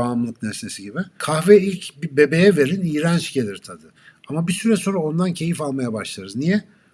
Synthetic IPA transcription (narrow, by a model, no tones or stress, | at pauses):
aːmlˠɯknesesiɟibɪkʰahvɛilʲcbibe̞be̞jɛve̞ɾiniːɾænt͡ʃɟe̞lʲiɾt̪ʰad̪ɯ | amabisyɾɛso̞nɾao̞nd̪ancʰe̞jifalˠmajabaʃlˠaɾɯznijɛ